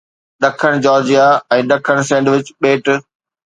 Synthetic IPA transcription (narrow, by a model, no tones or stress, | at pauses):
ɗɐkʰəɽ̃d͡ʑɔːɾd͡ʑijaɛ̃ːɗɐkʰəɽ̃sɛ̃ːɳɖʋɪt͡ɕɓeːʈ